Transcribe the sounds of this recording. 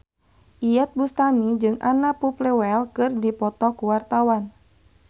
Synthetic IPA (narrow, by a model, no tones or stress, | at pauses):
ʔijɛt̪̚bust̪amid͡ʒɨŋʔa̰napuplɛwɛlkɨrdipɔt̪ɔkuwart̪awan